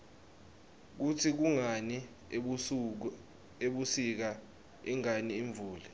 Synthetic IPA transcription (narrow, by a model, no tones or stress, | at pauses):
k̬utʰik̬uŋani | eɓusik̬a | ḭŋaniːɱb̪vʱuːli